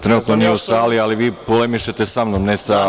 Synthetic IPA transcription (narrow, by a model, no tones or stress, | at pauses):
t̪ɾe̞nuːt̪nonijeusaːlialiʋiːpolemiʃet̪esamnomnesa